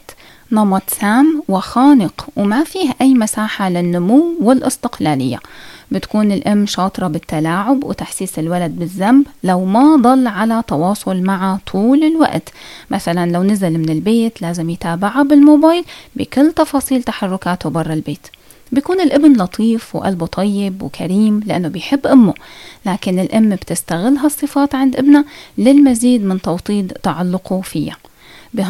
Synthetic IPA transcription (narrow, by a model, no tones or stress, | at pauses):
nɑmɑt̪ˤsaːmwɪxaːnɪqwmafiːɦʔajːmasaːħalɪnːʊmuwːɪlʔɪst̪ɪqlaːlɪ̰jːa̰bɪt̪kuːnɪlʔɪmnʃɑːt̪ˤɾˤɑbɪt̪ːalaːʕʊbwɪ̰t̪aħsiːsɪlwalad̪̚bɪzːamblawmad̪ˤɑlːʕalat̪ɑwɑːsˤʊlmaʕat̪ʰuːlɪlwa̰ʔt̪maθalanlawnazalmɪnɪlbeːt̪laːzɪmjɪt̪aːbɪʕabɪlmoːbaːjlbɪkʊlːt̪ɑfɑːsˤiːlt̪aħɑrˤːʊkaːt̪ubɑrˤːɑlbeːt̪ | bijakuːnɪlʔɪbnlɑt̪ˤiːfwʔa̰lbʊt̪ˤʰɑjːɪbwkʰaɾiːmlɪʔanːobɪjħɪbːʔɪmːʊlaːkɪnɪlʔɪmːbt̪ɪst̪aɣɪlːɦɑsˤːɨfɑːt̪ʕand̪ʔɪbnalɪlmaziːd̪mɪnt̪ɑwt̪ˤiːd̪t̪ɑʕalːʊqufɪjːa̰ | b